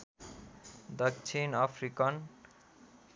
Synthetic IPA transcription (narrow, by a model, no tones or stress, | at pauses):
d̪ʌk̚t͡ʃʰinʌpʰɾikʌn